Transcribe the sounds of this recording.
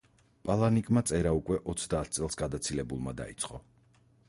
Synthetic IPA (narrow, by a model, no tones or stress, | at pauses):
pʼalˠanikʼmat̪sʼɛɾaukʼwɛʔɔt̪sʰd̪aːt̪̚ʰt̪sʼɛlˠsɡad̪at̪sʰilɛbulˠmad̪a̰ḭt̪sʰʼqʼɔ